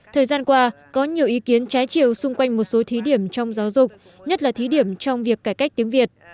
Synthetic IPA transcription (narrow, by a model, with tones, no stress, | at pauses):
t̪ʰəː˨˩jzaː˧nkwaː˧ | kɔ˨˦ɲi˨˩əwʔi˨˦ki˨˦ənt͡ɕaː˨˦jt͡ɕi˧˩əwsʊ˧ŋ͡mkwa˧jŋ̟mo˨˩t̚so˨˦t̪ʰi˨˦ɗi˧˩əmt͡ɕɔ˧wŋ͡mzaː˨˦wzʊ˨˩k͡p̚ | ɲə˦˥t̚laː˨˩t̪ʰi˨˦ɗi˧˩əmt͡ɕɔ˧wŋ͡mvi˨˩əkːaː˧˩jka˦˥k̟̚t̪i˨˦əŋvi˨˩ət̚